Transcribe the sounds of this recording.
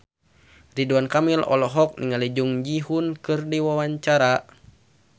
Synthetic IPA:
riduankamilɔ̰lɔɦɔk̚nḭŋalid͡ʒuŋd͡ʒiɦunkɨrdiwawaɲt͡ʃaɾa

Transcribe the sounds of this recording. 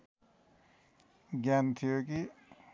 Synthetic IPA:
ɡant̪ʰijoki

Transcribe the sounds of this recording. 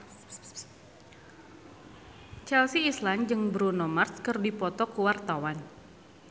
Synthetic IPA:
t͡ʃɛlsiːsland͡ʒɨŋbɾunɔmarskərdipɔt̪ɔkuwart̪awan

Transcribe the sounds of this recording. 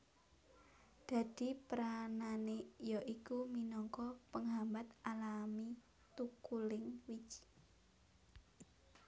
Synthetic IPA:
d̪̥a̤d̪̥i̤pɾananejɔʔikuminɔŋkɔpəŋɦambat̪ʔalami | t̪ukulɪŋwit͡ʃi̥

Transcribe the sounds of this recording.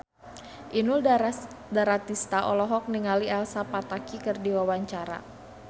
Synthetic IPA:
ʔinʊl | daɾat̪ist̪aʔɔlɔɦɔk̚niŋaliʔɛlsapat̪akikɨrdiwawaɲt͡ʃaɾa̰

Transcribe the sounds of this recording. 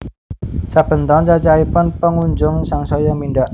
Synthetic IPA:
sab̥ə̤nt̪ɔŋt͡ʃat͡ʃaipʊnpəŋuɲd͡ʒʊŋsaŋsɔjɔmindaʔ

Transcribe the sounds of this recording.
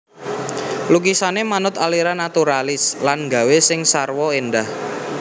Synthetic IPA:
luk̬isanemanʊt̪aliɾanat̪uɾalɪslanŋɡa̤wesɪŋsarwɔendah

